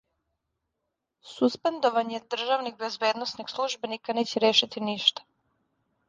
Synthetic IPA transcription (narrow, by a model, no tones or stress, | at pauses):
suspend̪o̞ʋaɲed̪r̩ʒaʋniɡbe̞zbeːd̪nosniɡslˠuʒbenikaneːt͡ɕeɾeːʃit̪iniʃt̪ḁ